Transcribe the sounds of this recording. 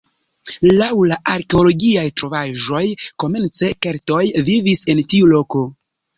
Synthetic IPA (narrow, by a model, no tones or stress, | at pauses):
lawlaʔaɾke̞o̞lo̞ɡiajtɾo̞vaʒo̞jko̞me̞nt͡se̞ke̞ɾto̞jvivise̞ntiulo̞ko̞